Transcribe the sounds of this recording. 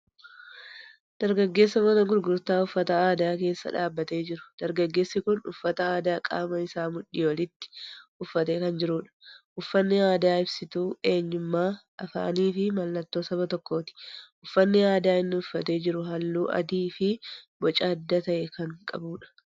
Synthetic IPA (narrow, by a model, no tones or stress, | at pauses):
d̪̥ɐɾɡɐɡːe̞ːsːɐmɐnɐɡʊɾɡʊɾt̪aːʊfːɐt̪ɐaːd̪aːke̞ːsːɐ̰ᶑaːbːɐt̪e̞ːd͡ʒɪɾʊ̥d̪̥ɐɾɡɐɡːe̞ːsːɪkʊnʊ̰fːɐt̪ɐaːd̪aːkʼa̰ːmɐɪsaːmʊᶑːɪwɔlɪt̪ːɪ̥ʔʊfːɐt̪e̞ːkɐnd͡ʒɪɾuːᶑɐ̥ʔʊfːɐnːɪaːd̪aːɪbsɪt̪uːe̞ːɲːʊmːaːʔɐfa̰ːniːfɪmɐlːɐt̪ːo̞ːsɐbɐt̪ɔkːo̞ːt̪ɪ̥ʔʊfːɐnːɪaːd̪aːɪnːɪʊfːɐt̪e̞ːd͡ʒɪɾʊɦɐlːuːʔɐ̰d̪iːfɪbɔt͡ʃʼaːd̪ːɐt̪ɐʔɛkɐŋkʼɐ̰buːᶑɐ̥